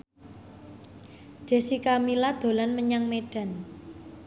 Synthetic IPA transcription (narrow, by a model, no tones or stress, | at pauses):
ɖ̪̥e̤sikamilad̪̥o̤lanməɲaŋmeɖ̥a̤n